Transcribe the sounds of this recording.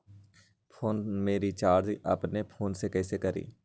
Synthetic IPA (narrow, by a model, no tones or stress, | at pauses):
pʰoːnmeːɾit͡ʃaːɾd͡ʒʔə̰pnepʰoːnsekɛːsekəɾḭː